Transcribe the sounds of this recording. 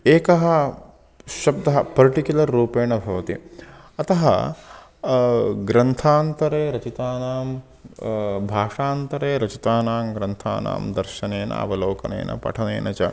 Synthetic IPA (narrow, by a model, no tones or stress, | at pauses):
eːkɐɦɐ | ʃɐbd̪ɐɦɐpɐɾʈikjulɐɾːuːpeːɳɐbʱɐʋɐt̪ḭ | ɐt̪ɐɦɐ̰ | ɡɾɐnt̪ʰaːnt̪ɐɾeːɾɐt͡ʃit̪aːnaːm | bʱaːʂaːnt̪ɐɾeːɾɐt͡ʃit̪aːnaːmɡɾɐnt̪ʰa̰ːna̰ːmd̪ɐɾʃɐneːnɐ̰ɐ̰ʋɐloːkɐnḛːnʔɐ̰pɐ̰ʈʰɐnḛːnʔɐt͡ʃɐ̰